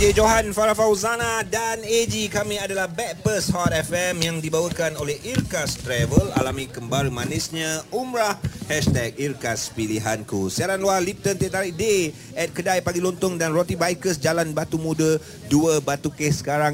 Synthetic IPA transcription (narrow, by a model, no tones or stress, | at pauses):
d͡ʒed͡ʒoɦanfaɾafawzanadaned͡ʒikamĩadalahbɛk̚pəshɔt̪ɛfɛmjaŋdibawəkanolɛhirkast̪ɾɛvəla̰lamikəmbaɾəmãnisɲãʔumɾahhɛʃt̪ɛk̚irkaspiliɦankusiaɾanlualip̚t̪ənt̪iaʔt̪aɾiʔde | ɛt̪̚kədajpaɡilont̪ʊŋdanrot̪ibajkəsd͡ʒalanbat̪umũdə | duəbat̪ukesə̥kaɾaŋ